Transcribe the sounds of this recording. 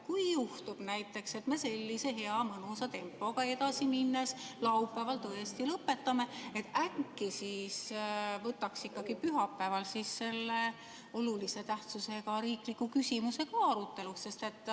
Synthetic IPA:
kujjuht̪ub̥næjt̪ːˑe̞kse̞t̪me̞se̞lʲːise̞ɦe̞ɑmɤnusɑt̪e̞mpːˑo̞ɡ̥ɑe̞d̪ɑsiminːeslɑupːˑævɑlt̪ɤest̪ilɤpːe̞t̪ːɑme̞et̪ːækːisiːsvɤt̪ːɑksikːɑɡ̥ipyɦɑpːævɑlsisːe̞lːe | olulise̞t̪æht̪suse̞ɡɑɾiːklikːˑukysʲimuse̞ɡ̥ɑɑɾut̪ːˑe̞lusse̞st̪e̞t̪ːˑ

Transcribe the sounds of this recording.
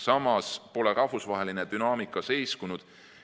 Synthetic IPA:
sɑmɑspo̞leɾʔɑhvusvɑɦe̞lined̪̥ynɑːmikːˑɑse̞jskunud̪̥

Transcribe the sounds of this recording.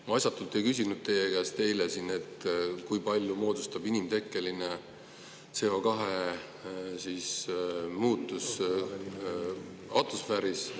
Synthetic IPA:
mɑjsʲɑt̪ːˑult̪ːˑe̞jkysʲinud̪̚t̪e̞jekæːst̪t̪e̞jlesine̞t̪kujpɑlʲjumo̞ːd̪ust̪ɑbinimt̪e̞kːˑe̞line | t̪se̞o̞kɑɦe | sismuːt̪ːˑus | ɑt̪usfæːɾis

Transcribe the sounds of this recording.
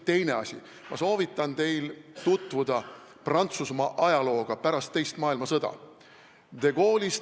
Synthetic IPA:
t̪e̞jne̞ɑsʲḭ | mɑ̰so̞ːvit̪ːˑɑnt̪e̞jlt̪ut̪ˑvud̪̥ɑ | prɑnt̪susmɑʔɑjɑlo̞ːɡ̥ɑpæɾɑst̪ːe̞jst̪mɑːilmɑsɤd̪ɑ̰ | d̪̥e̞ɡo̞ːlʲis

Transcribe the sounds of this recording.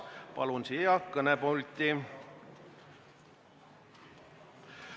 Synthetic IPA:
pɑ̰lunsiɑkːɤnɛpolt̪ʲːi

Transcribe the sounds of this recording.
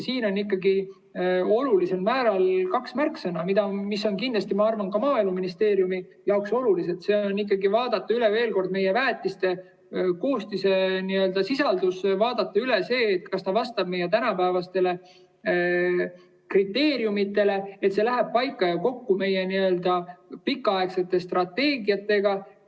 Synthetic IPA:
siːno̞nːikːˑɑɡi | o̞lulise̞lmæːɾɑlkɑksmærksɤnɑmid̪̥ɑmisːo̞nkind̪lɑst̪imɑɑrvɑnkɑmɑːilmuminist̪e̞ːɾjumi | jɑokso̞lulise̞t̪se̞ːo̞nːik̬ːˑɑɡivɑːd̪̥ɑt̪ːˑɑyle̞ve̞ːlko̞rd̪̚me̞jevæːt̪ːˑist̪e̞ | ko̞ːst̪ise̞niø̞ld̪̥ɑsisɑld̪̥usvɑːd̪̥ɑt̪ːɑylese̞ːt̪kɑst̪ɑvɑst̪ɑb̥̚me̞jet̪̬ænɑpæevɑst̪e̞le̞ | krit̪ːe̞ːɾjumit̪ːˑe̞le̞et̪se̞læɦeb̥̚pɑjkːˑɑjɑko̞kːume̞jeniø̞ld̪̥ɑpikːˑɑɑekse̞t̪ːˑe̞st̪rɑt̪ːe̞ːɡiɑt̪ːˑe̞ɡɑ

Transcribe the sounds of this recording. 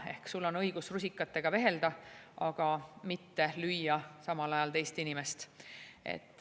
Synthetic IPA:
e̞̰hksulːo̞nɤ̞jɡ̥usrusʲikːˑɑt̪ːe̞ɡ̥ɑve̞ɦe̞ld̪̥ɑɑɡ̥ɑmit̪ːe̞lyjːɑsɑmɑlɑjɑlt̪e̞jst̪inime̞st̪e̞̰t̪ːˑ

